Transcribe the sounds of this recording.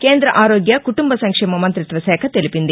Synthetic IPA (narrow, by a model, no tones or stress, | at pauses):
keːnd̪ɾɐʔaːɾoːɡjɐkuʈumbɐsɐŋkʂɛːmɐmɐnt̪ɾit̪ʋɐsɛːkʰɐt̪elipind̪i